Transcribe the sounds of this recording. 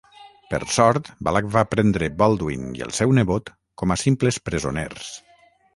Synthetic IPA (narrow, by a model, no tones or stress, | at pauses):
pə̰ɾsɔɾt̪ba̰lakvapɾɛnd̪ɾebɔlˠd̪wḭniḛlˠsɛwneβot̪ | kɔmasimplespɾezonḛrs